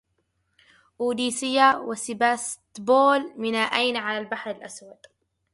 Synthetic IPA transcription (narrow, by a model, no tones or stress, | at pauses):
ʔuːd̪iːsɪjːawasɪbaːst̪boːlmɪnaːʔajnʕalalbaħɾɪlʔaswad̪